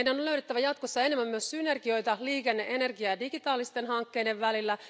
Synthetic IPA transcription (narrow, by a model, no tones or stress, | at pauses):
jdænːoløyɾet̪ːæʋæjɑt̪kosːɑe̞nemːæmmyøssynerɡio̞jt̪ɑliːkenːeʔe̞nerɡiɑːdiɡ̥it̪ɑːlist̪enhɑŋkːe̞jde̞ʋʋælilːæ